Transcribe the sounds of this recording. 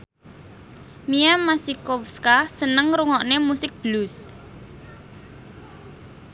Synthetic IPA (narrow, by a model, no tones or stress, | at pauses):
miamasikɔfskasənəŋɾuŋɔʔnemusɪk̚b̥lus